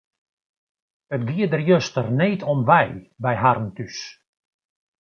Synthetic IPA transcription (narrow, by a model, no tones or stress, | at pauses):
ətɡiədərjøstərneːtʰɔnʋɛjbɛjɦarn̩tys